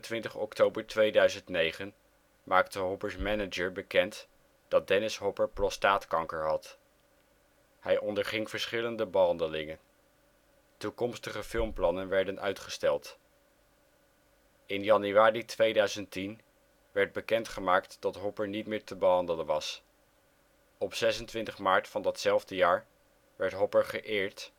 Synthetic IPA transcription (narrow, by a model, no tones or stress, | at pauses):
tʋɪntəχɔ̰ktowbəɹtʋejdœɥzəntnejχən | maːktəɦɔpəɹsmɛnəd͡ʒəɹbəkɛnt | d̥ɑd̚dɛnɪsɦɔpəɹprɔstaːtkɑŋkəɹɦɑt | hɛjʔɔndəɹχɪŋfəɹsχɪləndəbəɦɑndəlɪŋən | tukɔmstəχəfɪlˠmplɑnənʋɛɹdənʔœɥtχəstɛlˠt | ɪnjɑnyaːritʋejdœɥzəntin | ʋɛɹd̚bəkɛntχəmaːktd̥ɑtɦɔpəɹnitmɪːɹtəbəɦɑndələnʋɑs | ɔpsɛsəntʋɪntəχmaːɹtfɑndɑtsɛlˠvdəjaːɹ | ʋɛɹtɦɔpəɹχəʔɪːɹt